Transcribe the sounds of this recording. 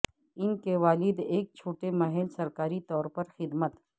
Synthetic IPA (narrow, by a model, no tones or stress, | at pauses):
ɪnkeʋaːlɪd̪eːk̚t͡ʃʰoːʈemɐɦɛlsɐɾkaːɾit̪ɔːɾpɐɾxɪd̪mət̪